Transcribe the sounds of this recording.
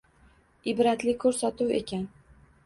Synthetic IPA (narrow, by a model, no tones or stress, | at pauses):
ɪbɾat̪lɪkʰɵɾsat̪uwe̞̰kʲan